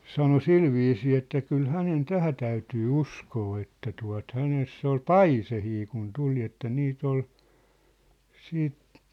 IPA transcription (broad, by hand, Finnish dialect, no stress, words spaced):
sɑno silʋiːsiː etːæ kyl hænen tæhæ tæytyː uskoː etːæ tuɑ̝t hænesː ol pɑisehiː kun tuli etːæ niːt ol siːt